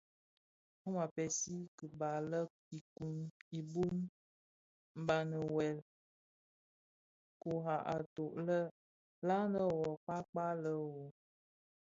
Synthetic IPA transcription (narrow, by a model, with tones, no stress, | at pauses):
u˦ma˨pɛ˨si˦kə˨ba˨lə˦ | i˨ku˨ni˨bu˦n | m̩˦ba˨nə˨wɛ˨l | ko˨ɦa˨ʔa˨to˨ʔlə˦ | la˦nə˦˨wɔ˨k͡pa˦k͡pa˦lə˦wo˨